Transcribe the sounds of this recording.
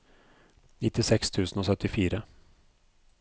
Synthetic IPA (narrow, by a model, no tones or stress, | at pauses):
nɪt̪ːɪsɛkst̪ʰʉ̟ːsənɔsœt̪ːɪfiːɾə